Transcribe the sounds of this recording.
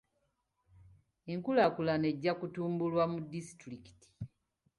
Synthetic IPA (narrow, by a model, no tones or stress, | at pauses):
eŋkulakulane̞ɟːakutuːmbulwamudːisi̥tɾiki̥ti̥